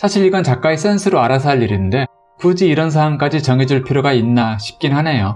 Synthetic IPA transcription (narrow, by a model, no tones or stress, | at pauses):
sʰaɕʰiɾiɡʌnt͡ɕak͈̚ais͈e̞nsʰɯɾoaɾas̬ʰaʎːiɾinɯnde̞ | pud͡ʑiːɾʌns̬ʰaːŋk͈ad͡ʑit͡ɕʌŋid͡ʑuɭpʰiɾjoɡainːaɕʰi̥p̚k͈inhane̞jo